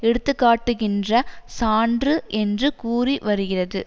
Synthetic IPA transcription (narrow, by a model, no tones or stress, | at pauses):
ɛɽɯt̪ːɯkːaːʈːɯɣɪndrɐsaːndrɯʔɛndrɯkuːriʋɐɾɯɣɪrɐðɯ